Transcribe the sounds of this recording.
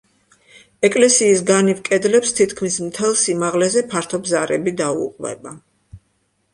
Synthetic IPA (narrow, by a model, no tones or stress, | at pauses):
ɛkʼlɛsiːsɡanivkʼɛd̪lɛpst̪ʰit̪ʰkʰmismt̪ʰɛlˠsimaʁlɛzɛpʰaɾt̪ʰɔbzaɾɛbid̪aṵqʼvɛ̰ba